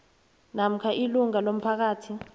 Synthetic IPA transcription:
nam̩kʰaʔiluŋalom̩pʰak̬aːtʰi

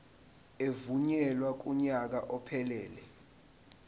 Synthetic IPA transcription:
evuɲɛlwak̬uɲak̬aʔɔpʰɛlɛːlɛ

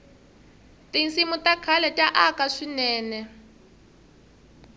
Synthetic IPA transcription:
tinsimutakʰalɛtʼaʔakaʂinɛːnɛ

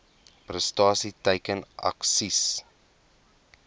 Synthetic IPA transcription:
prəstɑːsitəjkənʔɐ̰ksis

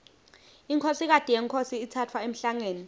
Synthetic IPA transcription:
iŋkʰosik̬ad̥ʱijɛŋkʰosiːtʰat͡fʰwaem̩ɬaŋeːni

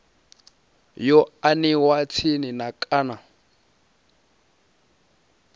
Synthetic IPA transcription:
jɔaniwat͡sʰininakʼana

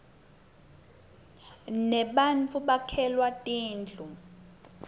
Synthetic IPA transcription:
nɛɓant͡fʰʼuɓakʰɛlwatʼiːnd͡ɮʱu

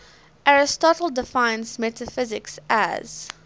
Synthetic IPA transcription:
ʔæɹɪstɔtl̩ˠdɪfãɪ̃nzmɛtʰəfɪzɪksæ̰z̥

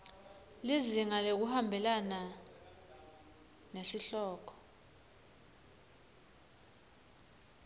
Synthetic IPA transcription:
liziŋalek̬uhambʱɛlana | nesiɬɔːk̬ʰɔ̥

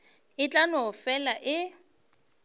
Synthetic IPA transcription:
ɪt͡ɬʼanɔfɛlaʔɪ

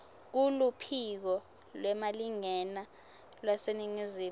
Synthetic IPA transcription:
k̬ulupʰik̬ɔ | lwɛmaliŋɛna | lwaseniŋiziː

